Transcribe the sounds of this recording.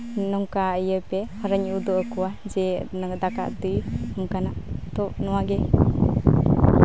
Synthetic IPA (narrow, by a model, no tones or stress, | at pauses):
nɔŋkaəjəpɛhaɾaɲud̪ɔʔəkuwad͡ʒɛnd̪aka̰ʔt̪ɯjmkanaʔt̪ɔʔnɔwaɡɛ